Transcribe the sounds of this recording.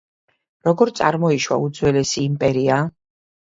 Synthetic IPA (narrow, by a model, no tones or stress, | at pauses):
ɾɔɡɔɾt̪sʼa̰ɾmɔiʃwa̰ud̪zwɛlɛsiːmpʼɛɾia